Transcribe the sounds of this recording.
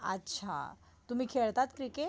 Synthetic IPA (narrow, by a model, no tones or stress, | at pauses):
ə̰tːɕʰa̰ | t̪um̤iːkʰeɭt̪at̪kɾike